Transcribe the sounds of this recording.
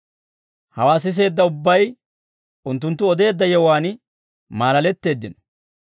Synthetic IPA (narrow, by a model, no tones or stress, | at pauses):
hɐwaːs̬ɪs̬e̞ːd̪ːɐʊbːɐj | ʔʊnt̪ːʊnt̪ːʊɔd̪e̞ːd̪ːɐjɛwaːn | maːlɐlɛt̪ːe̞ːd̪ːɪnɔ